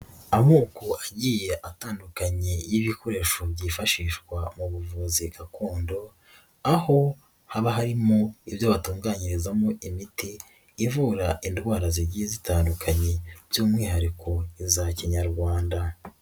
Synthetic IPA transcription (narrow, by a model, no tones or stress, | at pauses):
amuːkoʔaɟije̞ʔataːndukaɲejiβikʰo̞ɾe̞ːʃobɟiːfaʃiːʃkwamuβuvuziɡakuːndo̞ | aho̞ | haβaɦaɾimo̞ibjoβatuːŋɡaːɲiɾezamoʔimitiː | vuːɾaʔindwaːɾaziɟiezitaːndukʰaɲe̞z̥oːmŋiːhaɾiko̞izaciɲaɾɡwaːnda